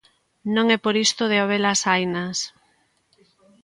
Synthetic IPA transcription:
nõŋɛpoɾist̪oð̞eaoβelasajnas

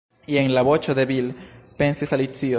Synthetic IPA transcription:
ieŋlaβot͡ʃoðeβilpensisalit͡sio

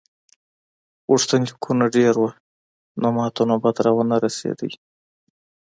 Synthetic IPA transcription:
wuʂt̪aŋkʰunaɖeɾwa | nomɑt̪unabad̪ɾɑwənaɾasḛd̪əwi

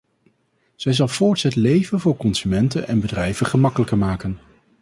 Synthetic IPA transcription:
z̥ɛjzɑlˠv̥ʊːɹtsətlejvənvʊːɹkɔnsymɛntənɛ̰nbədrɛjvəχəmɑkələkəɹmaːkən

